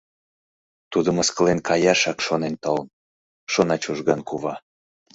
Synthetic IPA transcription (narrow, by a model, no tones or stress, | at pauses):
t̪ud̪əməskəlenkʰɑjɑʃɑkʃonent̪oln | ʃonɑt͡ɕuʒɣɑnkuβɑ